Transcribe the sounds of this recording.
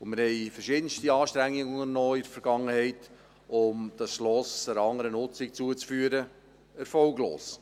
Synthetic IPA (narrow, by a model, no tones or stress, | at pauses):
ʊnmɪɾhɛɪfəʃɪːdən̩ʃtiɑːʃtɾɛŋːɪɡʊŋənnːɔːɪdəfəɾɡ̥ɑŋːəhɛɪt | ʊmd̥ɑsʃlɔsdəɾɑŋəɾənʊt͡sɪk̚t͡suət͡sfyːəɾə | ɛɾfɔlɡlo̰ːs